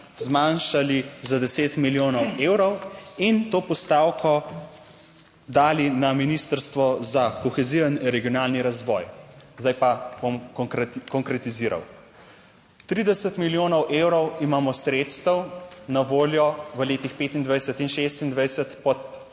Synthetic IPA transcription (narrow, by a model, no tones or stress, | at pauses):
zmanʃalizad̪ɛseːt̪miljoːnɔwewɾɔwint̪oːpɔst̪awkʰɔ | d̪aːlinaminist̪əɾst̪ʋɔzakɔxɛziəniɾɛɡijɔnaːlniɾazʋɔjzd̪ajpabomkɔŋkɾɛt̪iziːɾa̰w | t̪ɾiːd̪ɛsət̪miljoːnɔwʔeːwɾɔwimaːmɔsɾeːt̪st̪əwnaʋoːljɔʋəleːt̪ixpet̪ind̪ʋajsət̪inʃest̪ind̪ʋajsət̪pɔt̪